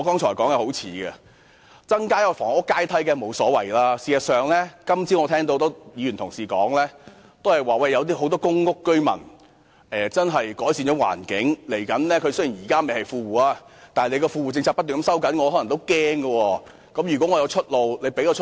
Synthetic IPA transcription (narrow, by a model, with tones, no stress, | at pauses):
ɔ˨˧kɔː˥ŋt͡ʃʰɔː˨˩jkɔː˨˥ŋjɛ˨˧˩ho˨˥wt͡sʰiː˨˥ɡɛ̰˧ | t͡sɐ˥ŋkaː˥jɐ˧fɔː˨˩ŋʊ˥kːaː˥jt̪ʰɐ˨˥jkɛ˧mo˨˧wsɔː˨˥wɐ˨˩jlaː˧siː˨jɐ˨t̚sœː˨ŋlɛː˥kɐ˥mt͡siː˨˥ŋɔː˨˧tʰɛː˥ŋt̪o˧wt̪o˥jiː˨˧yː˨˩nt̪ʰʊ˨˩ŋsiː˨˩kɔː˨˥ŋlɛː˥ | t̪o˥whɐ˨˩jwaː˨˩wɐ˧jːɐ˨˧wt̪iː˥ɦo˨˥wt̪̬ɔː˥kʊ˥ŋkʊ˥kːɵ˥ɥmɐ̰˨˩n | ʔɛː˨˩t͡sɐ˥nɦɐ˨jkɔː˨˥jsiː˧nt͡ʃɔː˨˥wa̰ː˨˩nkɪ˨˥ŋle˨˩jkɐ˨˥nlɛː˥kʰɵ˨˧sɵ˥jiː˨˩njiː˨˩kaː˥me˨jhɐ˨jfuː˧wuː˨˩aː˧t̪aː˨ne˨˧jkɔː˧fuː˧wuː˨˩t͡sɪ˧ŋt͡sʰaː˧k̚pɐ˥t̪̚ːyː˨n˨˥˦sɐ˥wkɐ˨˥nŋɔː˨˧hɔː˨˦˥lɐ˨˩ŋt̪o˥wkɛː˥ŋɡɐ˧wɔː˧ | kɐ˨˥mjyː˨˩kwɔ˨˥ŋɔː˨˧jwt͡ʃʰɵ˥t̚lo˨˧wle˨˧jpe˨˥jkɔː˨˧˥t͡ʃʰ